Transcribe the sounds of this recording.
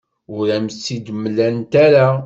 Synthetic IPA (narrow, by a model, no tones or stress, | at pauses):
ʊɾæməsːid̪mːlænt̪æɾa